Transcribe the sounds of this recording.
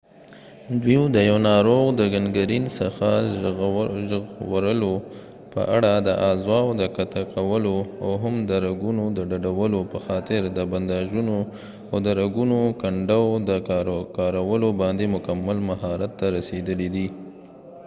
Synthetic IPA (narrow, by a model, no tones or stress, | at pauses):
d̪wid̪əjawnɑɾoɣd̪əɡanɡaɾinsəxa | ʒəɣwaɾəlo | pə̰ʔaɽad̪əʔɑzwɑwd̪əkat̪akʰawəloa̰wɦamd̪əɾaɡunod̪əɖaɖawəlopəxɑt̪ɪɾd̪əband̪ɑʒuno | awd̪əɾaɡunokaɳɖawd̪əkɑɾawəlobɑnd̪emʊkamːalmaɦɑɾat̪ːaɾased̪əlid̪i